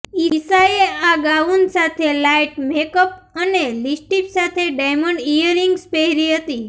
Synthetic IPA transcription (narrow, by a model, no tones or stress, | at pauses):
isaeaɡaunsat̪ʰelajʈmekəp̚ənelisʈipsat̪ʰeɖajməɳɖijəɾiŋɡspeɦɾiɦət̪i